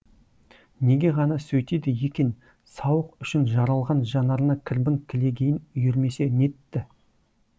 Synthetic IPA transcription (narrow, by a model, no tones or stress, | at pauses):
ne̞ɡʲe̞ʁɑnɑsɵjt̪ed̪ɪje̞kʲen | sɑwəqʏʃɪnʒɑɾɑlˠʁɑnʒɑnɑɾnɑkʲʰɪɾbɪŋkʲʰɪle̞ɡʲe̞jɪnʏjɪɾme̞se̞ne̞t̪ːɪ